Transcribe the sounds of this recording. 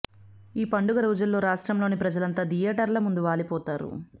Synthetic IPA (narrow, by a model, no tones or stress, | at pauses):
iːpɐɳɖuɡɐɾuːd͡ʒulːo̞ːɾaːʂʈɾɐmlo̞ːnipɾɐd͡ʒɐlɐnt̪aːd̪ijɐʈɐɾlɐmund̪uʋaːlipɔːt̪aːɾṵ